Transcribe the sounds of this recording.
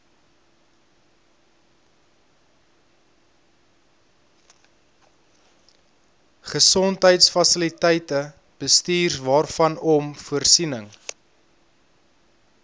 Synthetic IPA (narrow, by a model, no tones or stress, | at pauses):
χəsɔntɦəjtsfɐsəlitɛjtə | b̥əstiːrvɑːrfɐnɔmfuərsinəŋ